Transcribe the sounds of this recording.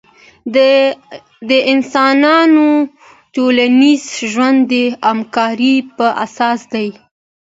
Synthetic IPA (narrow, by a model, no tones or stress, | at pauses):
d̪əɪnsɑnɑno | ʈolanizʒwand̪ːəamkɑɾipəʔa̰sɑsd̪aj